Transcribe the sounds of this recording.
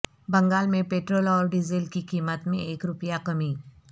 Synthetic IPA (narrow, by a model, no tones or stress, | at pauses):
bɐ̃ŋɡaːlmẽpeːʈɾoːlɔːɾɖɪzɪlkikiːmət̪mẽeːkɾʊpjakɐmiː